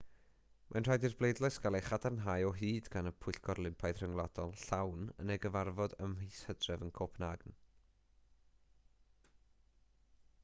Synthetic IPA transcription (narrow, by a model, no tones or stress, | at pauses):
mʔanr̥ajdirblejdlˠɔɨsɡ̥aleχadarnɦajɔɦiːdɡanəpʰʊɨɬɡʰɔrlˠɪmpʰajð̥r̥əŋlˠad̥ɔlˠɬawnə̰neɡəvarvɔdəmhishədrɛvənkʰopʰnaɡn